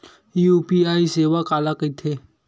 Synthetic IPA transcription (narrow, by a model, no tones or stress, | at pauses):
iuːpiaːiseːʋakaːlakəit̪ʰeː